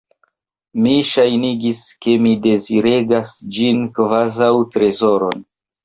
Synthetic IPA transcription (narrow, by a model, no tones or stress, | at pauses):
miʃajniɡiske̞mide̞ziɾe̞ɡasd͡ʒinkvazawtɾe̞zoɾo̞n